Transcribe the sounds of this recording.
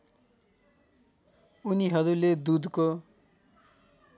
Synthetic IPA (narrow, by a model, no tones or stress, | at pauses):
uniɦʌɾuled̪ud̪ko